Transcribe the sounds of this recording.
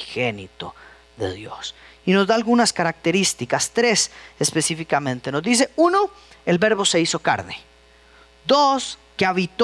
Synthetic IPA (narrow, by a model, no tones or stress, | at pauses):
xenit̪o̰ | ðḛðjo̰s | ino̞zd̪aːlɣunaskaɾak̚t̪e̞ɾist̪ikast̪ɾesespe̞sifikamẽ̞nt̪e̞no̞zd̪is̬e̞uno | elβe̞ɾβo̞se̞iso̞ka̰ɾnḛ | d̪oskeaβit̪